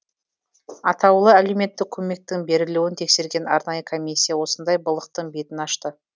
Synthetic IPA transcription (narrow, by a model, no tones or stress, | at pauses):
ɑt̪ʰɑwlˠəæleme̞t̪ːɪkʲʰɵme̞k̚t̪ɪŋbe̞ɾɪluwɪnt̪ʰe̞kse̞ɾɡʲe̞nɑ̰ɾnɑjəkʰo̞mʲisʲːijawo̞sənd̪ɑjbəlˠəq̚t̪əɴbe̞t̪ɪnɑʃt̪ə